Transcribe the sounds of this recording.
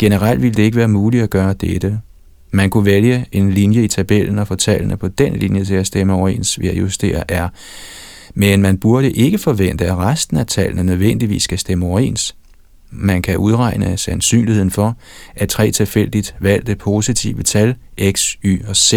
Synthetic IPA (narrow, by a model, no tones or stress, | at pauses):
ɡ̥e̝nəʁɑl̰d̥ʋiləd̥e̝e̝ɡ̥əʋæːɐmuːli̥æɡ̥ɶːɐd̥ed̥ə | mænkʰuʋeljəe̝nlinjəit͡sʰæb̥el̰n̩ɒ̽fɒ̽t͡sʰælənəpʰɒ̽d̥enlinjət͡sʰe̝læsd̥eməɒʊḛːnsʋijɑ̈jusd̥e̝̰ːɐʔæɐ | menmænb̥uɐɾ̥əʔe̝ɡ̥əfɒ̽ʋen̰d̥əæʁasd̥n̩æt͡sʰælnənøðˠʋen̰d̥iʋḭːsːɡ̥æsd̥eməɒʊḛːns | mænkʰæʔuð̞ˠʁɑ̈ɪnəsænsy̰ːnlihe̝ð̰ˠn̩fɒ̽ʔæt͡sʰʁɛ̰ːt͡sʰe̝lfel̰d̥id̥ʋæl̰d̥əpʰo̝sit͡sʰiʊət͡sʰælʔeɡ̥sy̰ːɒ̽se